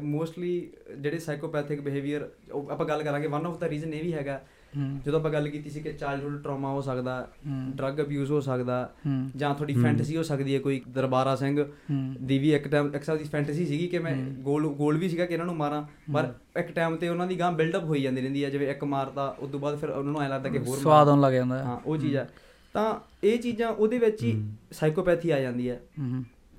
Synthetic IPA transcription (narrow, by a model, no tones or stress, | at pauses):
moːsʈliːd͡ʒeːɽeːsaːkolːpɛːt̪ʰeːkbɪɦeːʋijəɾ | apãːɡəlkəɾãːɡeːʋənɔːpʰd̪aːɾiːzənːẽːʋiːɦɛːɡaː | d͡ʒəd̪õːp̬ãːɡəlkiːt̪iːs̬iːkɪt͡ʃaːɪlɖɦʊɖʈɾɔːmaːɦoːsəkd̪aːɛɖɾəɡəbjuːzɦoːsəkd̪aːd͡ʒãːt̪ʰoːɖiːpʰɛ̃ːɳʈːs̬iːɦoːsəkd̪iːɛːkoːiːkd̪əɾbaːɾaːsɛ̃ŋɡd̪iːʋiːɪkʈɛːmɪksaːd̪iːpʰɛ̃ːɳʈɛsiːsiːɡiːkɪmɛ̃ːɡoːlɡoːlʋiːs̬iːɡaːkɪnaːnũːmaːɾãː | pəɾ | ɪkʈɛːmt̪eːʊnãːd̪iːɡãːbɪlɖəpɦoːiːd͡ʒãːnd̪iɾɛ̃ːnd̪iːɛːd͡ʒɪʋẽːɪkmaːɾt̪ãːʔʊ̰d̪õːbaːd̪pʰɪɾnãːnũːaːeːləɡd̪aːkeɦoːɾaːd̪oːnləɡd͡ʒãːnd̪aɦãːʔoːt͡ʃiːd͡ʒɛː | t̪ãː | eːt͡ʃiːzãːʔoːd̪eːʋɪt͡ʃiːsaːɪkoːpɛːt̪ʰiːaːd͡ʒãːnd̪iːɦɛː